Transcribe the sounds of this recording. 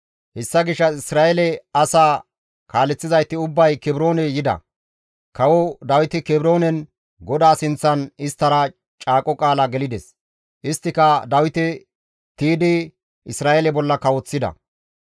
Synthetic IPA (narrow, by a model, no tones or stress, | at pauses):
hɛsːɐɡɪʃːɐɪsɾaːɛlɛɐsaː | kaːlɛt͡sːɪzɐjt̪ːɪʊbːɐjkɛbɾo̞ːnɛjɪd̪ɐ̰ | kɐwɔd̪ɐwɪt̪ɪkɛbɾo̞ːnɛn | ɡɔd̪aːsɪnt͡sːɐnɪst̪ːɐɾɐ | t͡ʃʼaːkʼɔkʼaːlaɡɛlɪd̪ɛs | ʔɪst̪ːɪkɐd̪ɐwɪt̪ɪ | t̪iːd̪ɪ | ɪsɾaːʔelɛbɔlːɐkɐwɔt͡sːɪd̪ɐ̰